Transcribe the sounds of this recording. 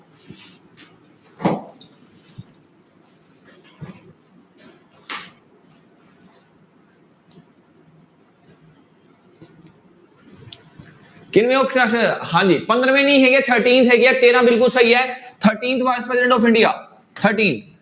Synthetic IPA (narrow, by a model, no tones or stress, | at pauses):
kɪnʋẽopʃəʃəhãːd͡ʑiːpɐ̃nd̪əɾəmẽnĩɦeket̪ʰəɾʈĩːnt̪ɦekiaːt̪eːɾãbɪlkʊlsɐɦiaːt̪ʰəɾʈiːnt̪ʰʋaːɪspɾɐsɪẽɳɖoːpʰɪ̃ɳɖia̰ː | t̪ʰəɾʈĩːnt̪ʰ